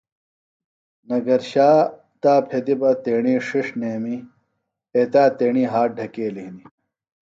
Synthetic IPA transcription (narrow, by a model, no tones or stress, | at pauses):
nɐɡɐɾɕaː | t̪aːpʰed̪ibɐt̪eːɳiːʂiʂneːmi | et̪aːt̪eːɳiːɦaːʈ̚ɖʱɐkeːliɦni